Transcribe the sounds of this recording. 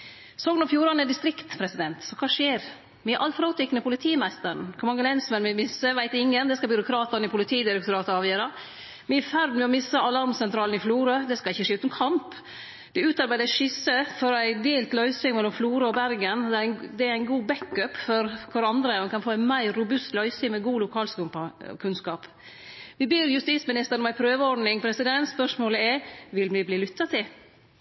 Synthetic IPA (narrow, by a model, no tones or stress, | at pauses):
soːɡnɔfjuːɾɑnəd̪ɪst̪ɾɪkt̪pʰɾɛsɪd̪ɛnt̪sɔkʰɑːʂeːɾ | mɪʔɑlfɾɑːt̪ʰɪkːnəpʊlɪt̪ʰiːmæst̪əɾɳ̩kʰʊɾmɑŋːəlɛnsmənmɛmɪsːəʋæɪt̪ɪŋːənd̪ɛskɑbʏɾʊkʰɾɑːt̪ɑɾnəɪpʰʊlɪt̪ʰiːd̪ɪɾɛkt̪ʊɾɑːt̪əɑːʋjøːɾɑ | mɪɛfæɾd̪mɛɔmɪsːəʔɑlɑɾmsɛnt̪ɾɑːln̩ɪfluːɾəd̪ɛskɑɪçːəʂeːʉːt̪nkʰɑmp | d̪ɛʉːt̪ɑɾbæɪd̪əʂɪsəfɔɾæɪd̪eːlt̪lœʏsɪŋmɛlːɔmfluːɾəɔbæɾɡənd̪ɛɾæɪd̪ɛæɾæɪnɡuːbɛkːœpfɔɾkʰʊɾɑnd̪ɾəɛnkʰɑnfoːæɪnmæɪɾːʊbʉst̪lœʏsɪŋmɛɡuːlʊkʰɑːlskʉkʰʉnskɑːp | ʋɪbeːɾjʉst̪iːt̪smɪnɪst̪əɾənɔmæɪpʰɾøːʋəɔɖnɪŋpʰɾɛsɪd̪ɛnspœʂmoːləɛʋɪlmɪbliːlʏt̪ːɑt̪ʰɪl